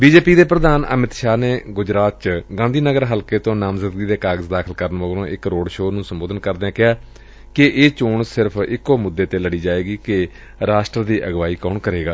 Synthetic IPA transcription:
biːd͡ʒeːpiːd̪eːpɾəd̪aːnə̰mɪt̪ʃaːneːɡʊd͡ʒɾaːt̪̚t͡ʃɡãːnd̪ʱiːnəɡəɾɦəlkeːt̪õːnaːmzɪd̪ɡiːd̪eːkaːɡəzd̪aːkʰəlkəɾənʋəɡlõːʔɪkɾoːɽʃoːnũːsəmboːd̪ənkəɾd̪eːãːkɪɦaː | kɪʔeːt͡ʃoːɳsɪɾpʰɪkːoːmʊd̪ːeːt̪eːləɽiːd͡ʒaːeːɡiːkɪ | ɾaːʃʈɾəd̪iːʔəɡʋaːiːkoːɳkəɾeːɡaː

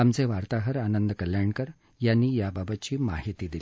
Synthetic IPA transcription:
amt͡seʋaɾt̪aɦəɾanənd̪əkəljaɳkəɾ | janːiːjababət̪̚t͡ɕiːmaɦit̪iːd̪ili

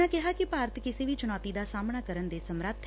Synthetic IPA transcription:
ãːkɪɦaːkipaːɾət̪kɪseːʋiːt͡ʃʊnɔːt̪iːd̪aːsaːmɳ̃aːkəɾənd̪eːsəmɾət̪ʰ

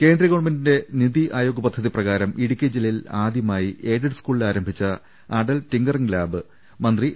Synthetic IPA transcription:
ke̞ːndriɣo̞ːɳmɐndinde̞niðiʔaːjoːɡɐpɐd̪ʱːɐðiprɐɣaːɾɐmʔiɽikʲːeːd͡ʑililaːd̪ʱjɐmaːjiʔeːɖiɖɨskuːɭilaːɾɐmbʱit͡ɕːɐ | aːɖɐlʈiŋɡɐrɐŋlaːbɨ | mɐnd̪ri

